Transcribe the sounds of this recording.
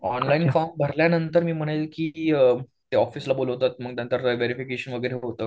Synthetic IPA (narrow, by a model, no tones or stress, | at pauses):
ɔnlainfambʱəɾljanənt̪əɾmiːm̤əɽ̃lkiː | t̪eɔfiːslaboləʋt̪at̪̚məɡ̚t̪jant̪əɾʋeɾifikeɕənʋəɡəjɾeɦot̪əː